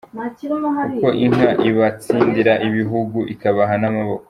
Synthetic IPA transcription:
kuko̞ʔiŋ̥aʔiβat͡siːndiɾaʔiβiɦuɡuʔikaβaɦanamaβo̞ko

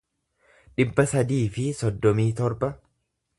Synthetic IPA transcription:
ᶑɪbːɐsɐd̪iːfɪsɔd̪ːɔmiːt̪ɔɾbɐ

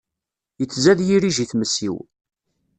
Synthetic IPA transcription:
jət͡sːzæðjiɾiʒiθməsːḭw

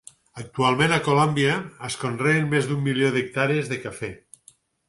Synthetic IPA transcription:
ək̚t̪ualˠmẽnakolombiaːskonrenmezðumːiljoðek̚t̪aɾezðekafɛ

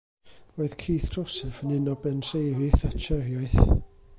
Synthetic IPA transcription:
roːɨðkʰiːθd̥ɔsɛfənɪnɔbɛnsejɾɪθat͡ʃʰɛrjaɨθ

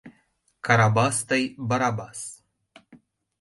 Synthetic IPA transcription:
kaɾabast̪əjbaɾabas

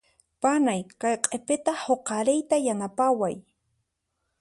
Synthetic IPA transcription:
panajkɑjqʼepɪt̪ahoqɑɾɪjt̪ajanapawaj

